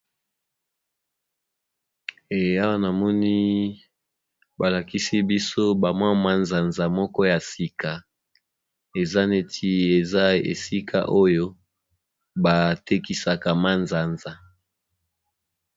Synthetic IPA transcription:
e˨a˦wa˦na˨mɔ˦ni˦ | ba˨la˨ki˦si˦bi˦so˦ba˨mwa˦ma˦nza˨nza˨mɔ˦kɔ˦ja˨si˨ka˨ | e˨za˦ne˦tʰi˦e˨za˦ḛ˨si˦kʰa̰˦ʔo˦jo˦ | ba˨te˦ki˨sa˨ka˨ma˦nza˨nza˨

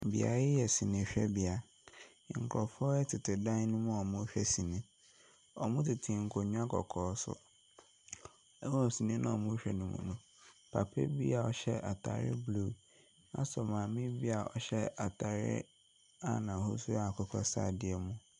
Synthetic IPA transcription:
m̩˨bḭ˨a̰˨ɾɪ˦jɛ˨sĩ˨nĩ˨ɕᶣɛ˦bɪ˨a˨ | ŋ̩˨kʰlɔ˨fɔ˦ɛ˦tʰɪ˨tʰɪ˨dã˦nũ˦mũ˦ɔ˨mũ˦ɕᶣɛ˦sĩ˨nĩ˦ | ɔ˨mʊ̃˦tʰɪ˨tʰĩ˨ŋ̩˨kʰo˨ɲũ˦a˦kʰɔ̰˨kʰɔː˨˦sʊ̰˦ | wɔ˦˨sĩ˨nĩ˦nʔã̰˦ɔ˨mũ˦ɕᶣɛ˨nũ˨mṵ̃˨nũ˨ | pʰa˨pʰḛ˦bi˦a˨ɔ˦ɕɛ˦a˨tʰa̰˨ɾɪ̰˦blu˦˨ | nã̰˦sɔ˨mã˨mɪ̃˦bi˦a˨ɔ˦ɕɛ˦a˨tʰa˨ɾɪ̰˦ | a̰˦˨nã˨ho˦su˦a˨kʰɔ˨kʰa̰˦sa̰˦˨dɪ˦ɛ˨mũ˦

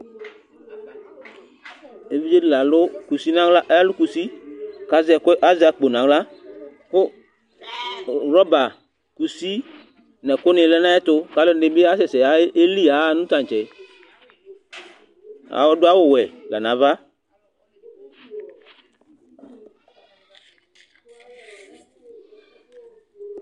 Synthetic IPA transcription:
e˨˦vi˦d͡ʒe˦di˦˨la˨lʊ˦ku˨si˦nã˦la˦ʔa˦lʊ˦ku˨si˦ka˨zɛ˨kʊ˦ʔa˦za˨˦kk͡po˨nã˨˦ɡla˦ | kʊ˦ | ɾɔ˦ba˨ | ku˨si˦ | nɛ˨kʊ˦nɪ̃˨˧˨lɛ˦nã˦ɛ˦tʊ˧ka˨˦lo˦n˦dɪ˧˦bɪ˦a˦sɛ˨sɛ˨a˨˦e˦li˦a˨˦˨nũ˦tã˨t͡ʃɛ˨˦ | a̰˨˦wɔ˦dʊ˦a˦wʊ˨wɛ˨lɛ˨nã˨˦va˦

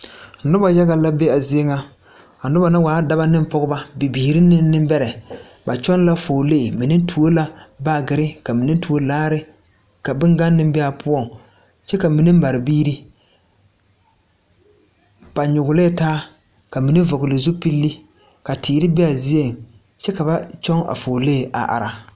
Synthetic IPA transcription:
nʊ˦ba˨ja˦ɣa˨la˦be˦a˨zi˦e˦ŋa˦ | a˨nʊ˦ba˨na˦waː˨˦da˦ba˦nɪ˦m˦pɔ˦ɡʊ˦ba˦bi˨biː˨ɾi˦nɪ˦nɪ˦mbɛ˦ɾɛ˨ | ba˨t͡ʃɔ˦n˦la˦fo˨leː˦˨mi˨nɪ˦tʰu˨o˦la˦ba˦ɡɪ˨ɾɪ˦ka˨mi˨nɪ˦tu˨o˦laː˦ɾɪ˦ | ka˨bɪ˦ŋɡa˦nːɪ˦mbɛ˦a˨pʰʊ˦ɔ˦˨ŋ | t͡ʃɛ˦ka˨mi˨nɪ˦m˦a˨ɾɪ˨biː˦ɾi˦ | b̥a˨ɲʊ˨ɡʊ˨le˦taː˦ | ka˨mi˨ni˦vɔ˨ɡʊ˨lɪ˨zu˦pi˦lːi˦ | ka˨tʰiː˨ɾɪ˦bɛ˦a˨zi˦e˦˨m | t͡ʃɛ˦ka˨ba˦t͡ʃɔ˦ŋa̰˨fo˨le˦˨a̰˨ʔa̰˨ɾa˨

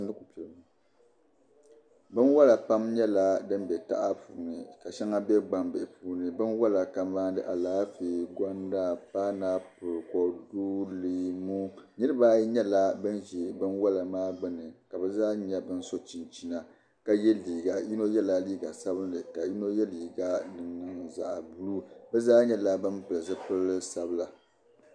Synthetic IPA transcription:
ndɨ˦ku˨pɛ˨lm˨ | bɨ˦nwa˦la˨pa˦mɲɛ˦la˨dɨ˦mbɛ˨ta̰˦ʔa˦puː˨nɨ˨ka˨ʃɛ˦ŋa˦bɛ˦ɡ͡ba˨mbɛ˨ʔɪ˨pʰuː˦nɨ˨bɨ˦nwa˦la˨ka˨mmaː˦n˦dɨ˦ʔa˨laː˦feː˨ɡʷa˦nda˦paː˦naː˦pʊ˨ɾkɔ˨duː˦lɨ˨mu˦nɨ˦ɾɨ˦ba˦ji˦ɲɛ˦la˦bɨ˦nʒi˨bɨ˦nwa˦la˨maː˦ɡ͡bɨ˦nɨ˨ka˨bɛ˦zaː˦ɲɛ˦bɨ˦n˦so˦t͡ʃi˨nt͡ʃi˨na˨ | ka˦jɛ˦liː˨ɡa˨ji˦no˦jɛ˦la˦liː˦ɡa˨sa˦βɨ˦n˦dɨ˨ka˨ji˦no˦jɛ˦liː˨ɡa˦nɨ˨ŋːɨ˨nza̰˨ʔbu˨lu˦bɛ˦zaː˦ɲɛ˦la˦bɨ˦mpɨ˨lɨ˨zɨ˦pɨ˦lːɨ˦sa˨bɨ˦la˨

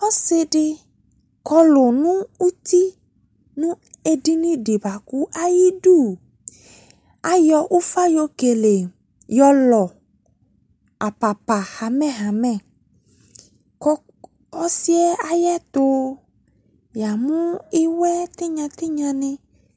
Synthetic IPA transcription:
ɔ˦se˦ɖɪ˦ | kɔ˦lo˨nũ˦u˦t̪i˦ | nũ˦e˦ɖi˦nĩ˦ɖi˨ba˨ku˦ʔa˦ji˦ɖu˦˨ | a˦jɔ˨ʔu˦fa˦jo˦ke˨le˨ | jɔ˦lɔ˨ | a˨pa˨pa˨ha˨mɛ̃˦ɦa˨mɛ̃˦˨ | kɔ˦ | ɔ˦si˦ɛ˦a˨jɛ˦t̪o˦ | ja˨mũ˦i˦wɛ˦t̪i˦ɲã˨t̪i˦ɲã˦nĩ˦

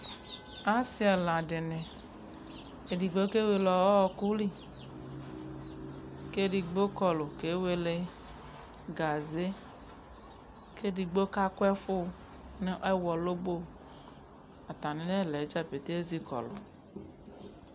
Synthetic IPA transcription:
a˦si˦a˨lã˨ɖɪ˨nẽ˨ | e˨di˨ɡ͡bo˦ke˦we˨lɔ˨wɔ˦ɔ˦ku˦li˦ | ke˦ɖi˨ɡ͡bo˦kɔ˨lo˨ke˨˦we˨le˨ | ɡa˨ze˦ | ke˦ɖi˨ɡ͡bo˦ka˦ko˦ɛ˦fo˦ | ne˦ʔɛ˦wɔ˨lo˦bo˦˨ | a˨t̪a˨nẽ˨˦ne˦˨le˨˦d͡ʒa˦pe˨t̪e˦e˦zi˦kɔ̰˨lo˨

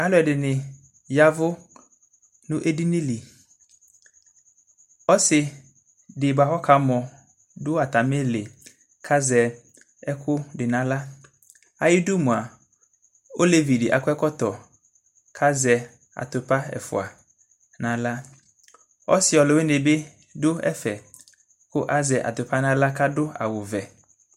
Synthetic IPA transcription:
a˦lʊ˨˦ɛ˨dɪ˨nɪ̃˨ | ja˦vʊ˦ | nʊ̃˦ʔe˦di˦nĩ˦li˨ | ɔ˦sɪ˨ | dɪ˨ba˨hɔ˦kʰa˨˦mɔ̃˨ | dʊ˦a˨t̪a˨me˦lɪ˨ | kʰa˦zɛ˨ | ɛ˦kʰʊ˦dɪ˨nã˨la˦ | a˨jɪ˦du˦mũ˨a˨ | o˦le˨vi˨dɪ˨ʔa̰˨kʊ˦ɛ˦kɔ˦t̪ɔ˨ | kʰa˦zɛ˨ | a̰˨t̪ʊ˨pa˦ɛ̰˨fʊ̰˨a˨ | nã˨la˦ | ɔ̰˦sɪ˨ɔ˨lɪ˨we˦ne˨be˦ | dʊ˦ɛ̰˦fɛ˨ | kʊ˦ʔa˦zɛ˨ʔa̰˨t̪ʊ˨pa˦nã˦la˦ka˦dʊ˦a̰˨wʊ˨vɛ˨

